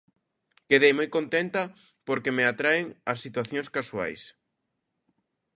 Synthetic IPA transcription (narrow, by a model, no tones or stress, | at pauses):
keðejmojkont̪ent̪ɐ | poɾkemeat̪ɾaeŋɐsːit̪waθjoŋskasua̰js